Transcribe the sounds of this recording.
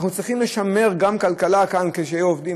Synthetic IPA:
χnut͡sʁiχimle̞ʃame̞ʁɡamkalkalakankeʃeajuovdi

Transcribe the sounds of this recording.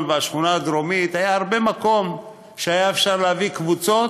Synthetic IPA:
lveaʃχunaːd̪ɾomit̪hajaaʁbe̞mako̞m | ʃeajaefʃaʁleavikvut͡so̞

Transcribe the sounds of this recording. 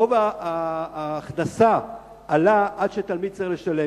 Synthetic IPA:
ovaaːχdasa | alaʔad̪ʃet̪almid̪̚t͡saʁiχleʃale

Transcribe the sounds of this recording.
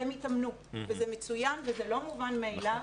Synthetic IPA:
emitamnu | vezemet͡sujanvezelo̞muvanmeːla

